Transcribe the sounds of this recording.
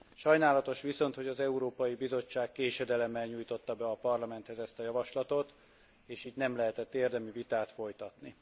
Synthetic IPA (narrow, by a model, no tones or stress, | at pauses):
ʃɒjnaːlɒt̪o̞ʃʋiso̞nt̪ho̞ɟɒzɛuɾoːpɒjibizo̞t͡ʃːaːkːeːʃɛd̪ɛlɛmːɛlɲuːjt̪o̞t̪ːɒbɛɒpɒrlɒmɛnt̪hɛzɛst̪ɒjɒvɒʃlɒt̪o̞t̪ | eːʃiːdnɛmlɛɦɛt̪ɛt̪ːeːrd̪ɛmyvit̪aːt̪fo̞jt̪ɒt̪ni